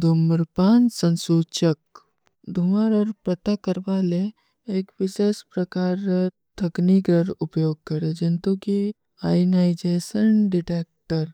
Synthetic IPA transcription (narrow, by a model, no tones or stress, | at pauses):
d̪ʱumɾpaːnsə̃nsuːt͡ʃək | d̪ʱʊməɾɔːɾpɾɐt̪akəɾʋaːle | eːkʋɪʃeːspɾɐkaːɾ | t̪ʰɐknikɾəɾʊpjoːɡ̚kɐɾed͡ʒɪnt̪uki | aːjnaːɪd͡ʒeːʃənɖɪʈeːk̚ʈəɾ